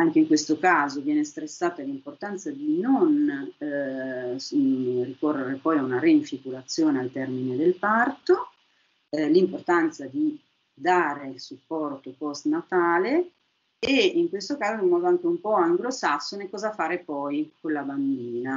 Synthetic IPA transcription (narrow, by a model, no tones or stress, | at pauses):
aŋk̟eiŋkwest̪okaːzovjɛːnest̪ɾesːaːt̪alimport̪ant̪sad̪inon | rikorːeɾepɔjaunaɾeiɱfikuɾat̪sːjoːnealt̪ɛrmined̪elpart̪o | limport̪ant̪sad̪i | d̪aːɾeilsupːɔrt̪opɔst̪nat̪aːle | eiŋkwest̪okaːzoimːɔːd̪oaŋk̟eumpɔaŋɡlosasːonekɔːzafaːɾepɔjkonlaband̪iːna